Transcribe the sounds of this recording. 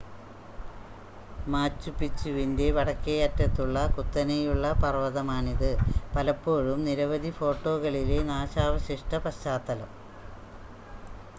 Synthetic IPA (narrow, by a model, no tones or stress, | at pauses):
maːt͡ɕːupːit͡ɕːuʋinde̞ʋɐɽɐkːɐjɐtːɐt̪ːuɭːɐkut̪ːɐnɐjuɭːɐpɐrʋɐðɐmaːɳiðɨpɐlɐpːo̞ːɻumniɾɐʋɐd̪ʱifo̞ːʈːo̞ːɣɐɭile̞naːɕaːʋɐɕiʂʈɐpɐɕaːt̪ːɐlɐm